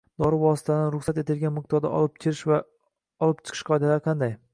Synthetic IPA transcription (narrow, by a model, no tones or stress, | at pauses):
d̪ɒɾɪvɒsɪ̥t̪ʰanɾʊχsat̪e̞t̪ɪlɡʲanmɪq̚t̪ʰɒɾd̪a̰ʔɒ̰lˠɪp̚kʲʰɪɾɪʃva | ɒlˠɪp̚t͡ʃʰɨ̥qʰɨ̥ʃqʰɒjd̪alaɾqʰɑnd̪aj